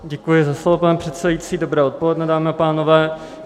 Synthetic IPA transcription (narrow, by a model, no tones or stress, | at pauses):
ɟɛkujɪzaslovopanɛpr̝̥ɛt̪sɛdajit͡siːdo̞bɾɛːot̪̚polɛdnɛdaːmɪapaːno̞vɛː